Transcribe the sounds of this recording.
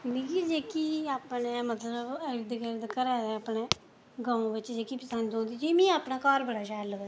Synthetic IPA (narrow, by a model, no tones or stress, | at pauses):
ɪnd̪iːkiːd͡ʒeːkiːaːpneːmət̪ləbəɾd̪əɡəɾd̪əkːəɾɛːd̪eːaːpɳeː | ɡãːõːʋɪt͡ʃd͡ʒeːkiːpəsənd̪õːnd̪iːd͡ʒiːmĩːaːpnaːkɔːɾbəɽaːʃaːloː